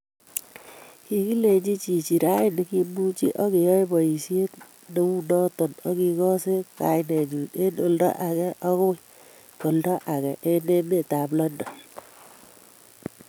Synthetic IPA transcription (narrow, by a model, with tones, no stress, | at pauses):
ki˨˦ki˦le˨ɲd͡ʒi˦t͡ʃi˨t͡ʃi˨ɾa˦ɪ˦ni˦ki˦mu˦t͡ʃḭ˦ʔɔ˦ke˨jɔ˦jbɔ˨i˨sje˦t | ne˨˦u˦nɔ˦to˨nɔ˦ki˧kɔ˦se˦ka̰˨ɪ˦ne˨ɲu˨ne˦no˨ldɔ̰˦ʔa˨kɛ˦ʔɔ˦kʊ˦e˨ | ko˨ldɔ˦ʔa˨kɛ˨ʔe˦ne˦me˦˨ta˨plɔ˦ndɔ˨